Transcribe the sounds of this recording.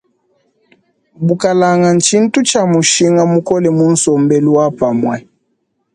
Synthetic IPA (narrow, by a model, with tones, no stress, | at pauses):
bu˨ka˨la˨ŋa˨n̩˨t͡ʃi˦n̩˦tu˦t͡ʃa˨mu˨ʃi˦ŋɡa˦mu˦kɔ˦lɛ˨mu˦n̩˦sɔ˨mbɛ˦lu˦wa˦pa˨mwɛ˨